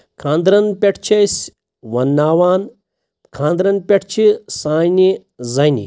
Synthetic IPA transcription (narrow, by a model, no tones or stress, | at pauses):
kʰãːnd̪ɾɐnpʲeʈʰt͡ʃʰɐjsʲ | ʋɐnːaːʋaːn | kʰãːnd̪ɾɐnpʲɐʈʰt͡ʃʰisaːjni | zɐjnḭ